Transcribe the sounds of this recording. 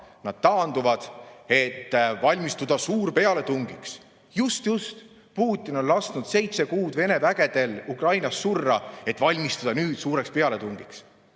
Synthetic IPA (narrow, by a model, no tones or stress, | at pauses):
nɑd̪̥̚t̪ɑːnd̪uvɑd̪̥e̞t̪ːvɑlʲmist̪ud̪̥ɑsuːrpe̞ɑle̞t̪uŋɡ̥iks | just̪just̪ | puːt̪ʲːˑino̞llɑst̪nud̪̥se̞jt̪se̞kuːd̪̥ve̞ne̞væɡ̥e̞d̪̥e̞lukrɑjnɑsːurːɑe̞t̪ːˑvɑlʲmist̪ud̪̥ɑnyːd̪̥suːɾe̞kspe̞ɑle̞t̪uŋɡ̥iks